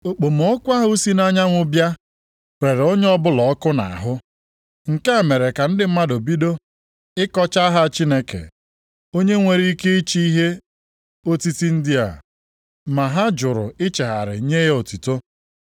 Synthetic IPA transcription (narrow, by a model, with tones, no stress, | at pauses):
o˨k͡po˨m˨ɔ˦kʷa˦ɦʊ˦si˦na˦ɲa˦ŋʷʊ˦bja˦ | pɾe˨ɾo˦ɲe˦ɔ˦bʊ˦lɔ˨˦kʊ˦na̰˨a̰˨ɦʊ˦ | ŋ̩˨ke˦a˨me˨ɾe˨ka˨n̩˦dɪ˨m̩˦ma˦do˨bi˦do˦ | ɪ˦kɔ˦t͡ʃa˦ɦa˦t͡ʃi˦ne˦kḛ˨ | o˦ɲe˦ŋʷe˨ɾi˦ke˦i˦t͡ʃi˦i˦ɦe˦ | o˦ti˦ti˦n̩˦dɪ˦a̰˨ | ma˨ɦa˦d͡ʒʊ˨ɾʊ̰˨ɪ˦t͡ʃe˨ɦa̰˨ɾɪ̰˨˦ɲe˦e˦o˨tu˨to˦